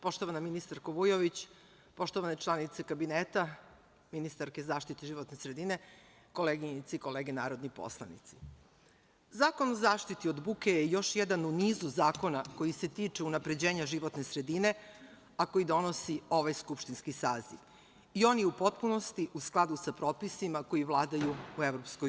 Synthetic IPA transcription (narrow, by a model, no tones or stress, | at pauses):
po̞ʃt̪oʋanaminist̪aɾkoʋujoʋit͡ɕ | po̞ʃt̪o̞ʋane̞t͡ʃlˠanit̪sekabineːt̪a | minist̪aɾke̞zaːʃt̪it̪eʒiʋo̞t̪nesɾe̞d̪ine̞ | ko̞leɡiit̪siiko̞leːɡenaːɾo̞d̪nipo̰slˠa̰nḭt̪si̥ | zaːko̞nozaːʃt̪it̪io̞d̪bukejejo̞ʃjed̪anuniːzuzaːko̞nako̞jise̞t̪iːt͡ʂeunapɾe̞d͡ʑe̞ːɲaʒiʋo̞t̪ne̞sɾe̞d̪ine̞ | ako̞jid̪o̞no̞sio̞ʋajskupʃt̪inskisaːzḭʋ | io̞ːnjɛupo̞t̪̚puno̞st̪iʔusklˠad̪usapɾo̞ːpisimako̞jiʋlˠaːd̪ajuue̞ʋɾopsko